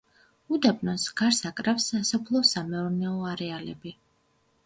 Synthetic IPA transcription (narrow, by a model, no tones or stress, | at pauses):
ud̪abnɔnsɡaɾsakʼɾafsasɔpʰlˠɔsamɛɔɾnɛɔaɾɛalɛ̰bi